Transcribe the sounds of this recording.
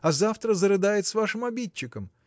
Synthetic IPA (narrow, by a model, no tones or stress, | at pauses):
ɐzaft̪ɾəzəɾɨd̪ajɪt̪svaʂɨmɐbʲit͡ɕːɪkəm